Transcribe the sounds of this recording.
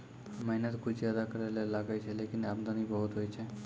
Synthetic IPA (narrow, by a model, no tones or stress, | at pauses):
məɦinət̪kʰud͡ʒzjad̪akəɾalelaɡajt͡ʃʰelekinabd̪anibəɦut̪ɦojt͡ʃʰe